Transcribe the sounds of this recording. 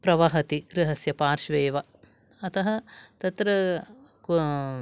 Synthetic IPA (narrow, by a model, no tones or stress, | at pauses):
pɾɐʋɐɦɐt̪iɡ̥ɾɪɦɐsjɐpaːɾʃʋeːʋɐ | ɐt̪ɐɦɐt̪ɐt̪ɾɐk